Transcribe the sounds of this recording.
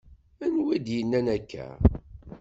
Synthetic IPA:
ænwid̪jənːænækːæ̰

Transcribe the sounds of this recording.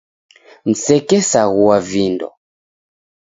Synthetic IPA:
n̩sɛkɛsaɣuwavindɔ̰

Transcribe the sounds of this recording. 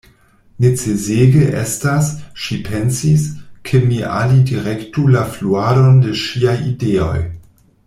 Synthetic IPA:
net͡sezeɡeʔḛstasʃipʰensiskʰemiʔa̰lidiɾektulafluado̞ndeʃiajideo̞̰j

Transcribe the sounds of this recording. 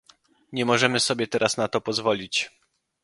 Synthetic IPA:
ɲɛmɔʐɛmɘsɔbʲjɛt̪ɛɾasnat̪ɔpɔzvɔlʲit͡ɕ

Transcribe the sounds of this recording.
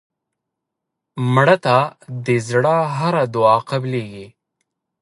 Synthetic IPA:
mɽat̪ad̪əzɽaɦaɾad̪uɑqableɡi

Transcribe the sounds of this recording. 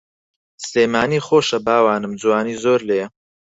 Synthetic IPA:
sleːmaːniːχoːʃɐbaːwaːnɨmd͡zuwaːniːzoːɾleːjɐ

